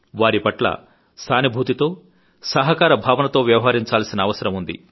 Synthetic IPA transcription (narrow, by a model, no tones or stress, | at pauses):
ʋaːɾipɐʈlɐ̰ | st̪ʰaːnibʱuːt̪it̪o̞ː | sɐɦɐkaːɾɐbʱaːʋɐnɐt̪o̞ːʋjɐʋɐɦaːɾiɲt͡ʃaːlsinɐːʋɐsɐɾɐmund̪ḭ